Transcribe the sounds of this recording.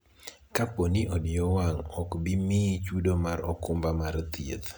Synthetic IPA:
kaponiʔɔdɪjɔwaŋɔkbimit͡ʃudomaɾɔkʊmbamaɾt̪iḛt̪

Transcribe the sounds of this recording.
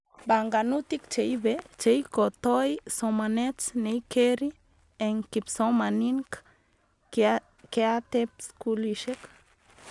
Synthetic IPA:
baŋɡanut̪ikt͡ʃejbet͡ʃejkot̪ojsomanet͡snejkeɾi | eŋkipsomaniŋk | keat̪ep̚skuliʃek

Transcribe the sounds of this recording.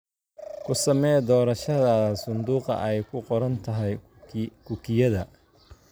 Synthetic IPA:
kʰʊsɐmɛːjd̪ɔːɾɐʃɐðaːsʊnd̪uːqɑ̰ʔɛjkʰʊqɔɾɐnt̪ʰɐɦɛj | kʰʊkʰɪjɐðɐ

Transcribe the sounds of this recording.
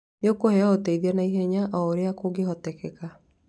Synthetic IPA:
neokohɛaoteiðianaiɦɛɲaʔɔoɾeakoɡeɦɔtɛkɛka

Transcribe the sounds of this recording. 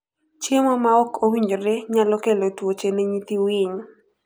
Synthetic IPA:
t͡ʃjemɔmaɔkowiɲd͡ʒoɾeɲalɔkelotwot͡ʃeneɲit̪iwɪɲo

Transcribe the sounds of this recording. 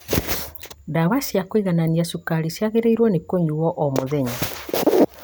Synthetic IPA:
dawaʃiakweiɣananiasukaɾisjaɣeɾeiɾwɔnekoɲuwɔʔɔmoðɛɲa

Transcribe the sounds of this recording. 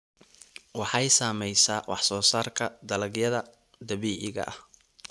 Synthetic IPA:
wɑħɑjsaːmɛjsaːwʔɑ̰ħsɔːsaːrkʰɐd̪ɐlɐɡjɐðɐ | d̪ɐβiːʕɪɣɐ̰ʔɐ̰h

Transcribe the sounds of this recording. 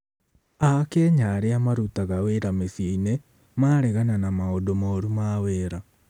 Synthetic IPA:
akeːɲaɾeamaɾutaɣaweɾameθieine | maːɾɛɣananamaodomaoɾumaweːɾa

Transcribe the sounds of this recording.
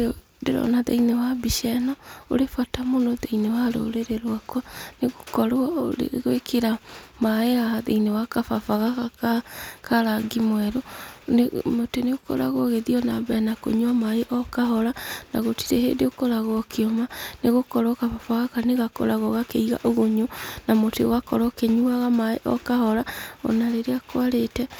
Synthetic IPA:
deɾɔ̰naðḛinewabiʃɛnɔo̰ɾefatamonɔðeinewaɾo̰ɾeɾeɾwakwaneɣokɔɾɾḛɣwekʰeɾamaeaðeinewakafafaɣakakakaɾaɡimwɛɾonmoteneokɔ̰ɾa̰ɣɔɣeðiɔnaβɛnako̰ɲwamaeʔɔkahɔɾana̰ɣotiɾɛhḛdeokɔɾaɣɔkʰeɔmaneɣokɔɾɔkafafaɣakaneɣako̰ɾaɣɔɣakeiɣa̰ʔoɣoɲonamotḛwakɔɾɔkeɲuaɣamaḛʔɔ̰kahɔɾaɔ̰naɾeɾeakwaɾetɛ

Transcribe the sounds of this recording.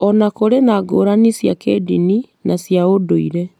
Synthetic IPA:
ɔnakoɾenaːɡoːɾanisjakedini | nasjaodoiɾɛ

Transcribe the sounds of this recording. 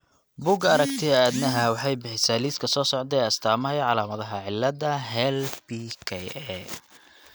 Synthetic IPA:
buɡɐɾɐkt̪ʰɪɐaːd̪nɐɦɐwɑħɑjbɪħɪsaːliːskʰɐsɔːsɔʕd̪ɛɐst̪ʰaːmɐɦɛjʕɑlaːmɐðɐɦɐʕɪlːɐd̪ɐɦɛlbikʰɛjɛ

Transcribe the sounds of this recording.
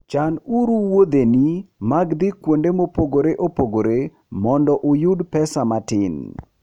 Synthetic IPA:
t͡ʃanuɾuwod̪enimaɡd̪ikwondemopoɡoɾeʔopoɡoɾe | mɔndɔʔʊjudpɛsamatɪ̰n

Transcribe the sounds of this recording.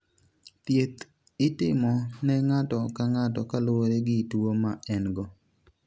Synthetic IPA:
t̪jet̪ | ɪtɪmɔnɛŋatɔkaŋatɔkalwoɾeɡɪtwomaɛnɡɔ

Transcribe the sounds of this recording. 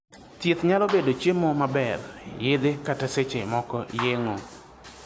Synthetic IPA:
tjɪt̪ɲalɔbedot͡ʃjemɔmabɛrjed̪ekataset͡ʃḛmɔkɔjeŋo

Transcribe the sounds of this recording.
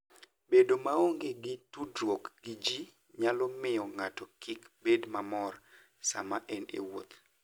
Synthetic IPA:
bedomaoŋɡeɡɪtudɾwokɡ̥ɪd͡ʒi | ɲalɔmɪɔŋatɔkikbedmamɔr | sa̰maʔɛnḛwot̪

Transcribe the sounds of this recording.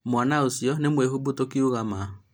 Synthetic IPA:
mwanaosjɔnemwehubutokioɣama

